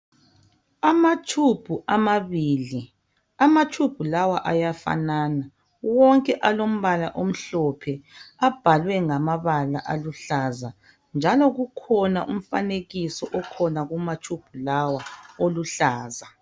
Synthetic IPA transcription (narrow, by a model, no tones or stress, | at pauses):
amat͡ʃʰub̥ʱuʔamaβili | amat͡ʃʰʼub̥ʱulawaʔajafa̰naːna | wɔŋkʼɛʔalom̩βalaʔom̩ɬɔpʰɛab̥ʱalwɛŋamaβala̰ʔaluɬaza | nd͡ʒʱalɔɣukʰɔnaʔum̩fa̰neɣisɔʔɔkʰɔnaɣumat͡ʃʰʼub̥ʱulawaoluɬaːza